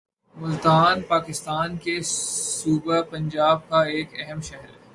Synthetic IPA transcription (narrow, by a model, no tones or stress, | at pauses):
mʊlt̪aːnpaːkɪst̪aːnkesuːbəpɐ̃ɲd͡ʒaːb̚kaeːkɛɦɛmʃɛɦɾ